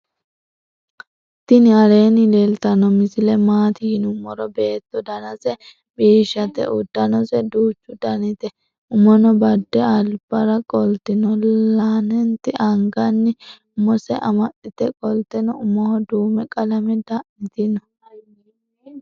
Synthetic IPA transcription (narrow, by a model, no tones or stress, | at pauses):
t̪ːɪnɪɐɾe̞ːnɪlelt̪ɐnɔmɪsɪlɛmaːt̪ɪhɪnʊmːɔɾɔbe̞ːt̪ːɔd̪ɐnɐsɛ | biːʃːɐt̪ɛ̰ʔʊd̪ːɐnɔsɛd̪uːt͡ʃːʊd̪ɐnɪt̪ɛ | ʊmɔnɔbɐd̪ːɛɐlb̥ɐɾɐkʼɔlt̪ɪnɔlːaːnɛnt̪ɪʔɐŋɡɐnːɪ | mɔsɛʔɐmɐɗɪt̪ɛkʼɔlt̪ɛnɔʊmɔhɔd̪uːmɛkʼɐlɐmɛd̪ɐʔmɪt̪ɪnɔ